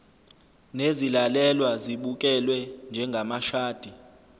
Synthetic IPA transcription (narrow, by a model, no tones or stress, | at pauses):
nezilalɛlwaziɓukʼɛlwɛnd͡ʒʱɛŋɡʱamaʃaːd̥ʱi